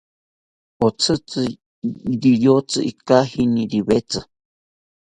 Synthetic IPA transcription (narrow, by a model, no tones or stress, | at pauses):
ot͡sʰɨt͡sɨ | ɾijot͡sɨʔikahinĩɾiβet͡sɨ